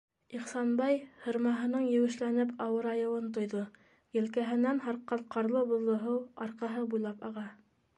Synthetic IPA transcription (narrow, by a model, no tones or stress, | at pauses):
iχsɑnbɑjhɤ̆ɾmɑɦɤ̆nɤɴjɘ̆wɘ̆ʃlænɘpʰɑwɤɾɑjɤ̆wɤnt̪ŏjðo | jɘ̆lkæɦɘ̆nænhɑɾqːɑlqɑɾlˠɤbŏðˠɤ̆ɦɤwɑɾqɑɦɤbujlˠɑpɑʁɑ